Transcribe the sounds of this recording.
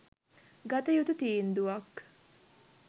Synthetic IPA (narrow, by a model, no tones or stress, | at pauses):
ɡɐt̪ɐjut̪ut̪iːnd̪uʋɐk